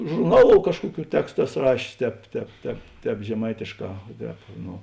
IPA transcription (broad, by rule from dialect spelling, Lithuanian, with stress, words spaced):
ʒʊrˈnɑːˌlˠoːʊ ˈkɑːʃkuɔˌkʲuː ˈtʲæːkstʊ ˈæːˌsoː ˈrɑːʃʲeːs ˈtʲɛːp ˈtʲɛːp ˈtʲɛːp ˈtʲɛːp ʒʲɛˈmɐɪtʲeːʃˌkɑː oː ˈtʲɛːp noː